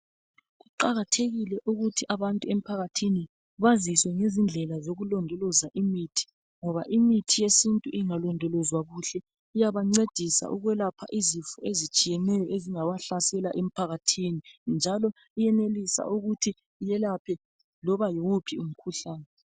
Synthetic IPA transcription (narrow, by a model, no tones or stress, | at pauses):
ɣuǃaɣatʰeɣilɛʔuɣutʰiʔaβantʼuem̩pʰaɣatʰini | βaziswɛŋezind͡ɮʱɛlazoɣulɔndʱɔlɔzaʔimitʰi̥ | ŋɔβaʔimitʰijesintʼuʔiŋalɔndʱɔlɔzwaɣuɬɛ | ijaβaŋ͡ǀed̥ʱisa̰ʔuɣwɛlapʰa̰ʔizifuezit͡ʃʼijɛnɛjɔʔeziŋaβaɬasɛlaʔem̩pʰaɣatʰinind͡ʒʱalɔ | ijɛnelisa̰ʔuɣutʰi | jɛlapʰɛ | lɔβajiwupʰium̩kʰuɬaːnɛ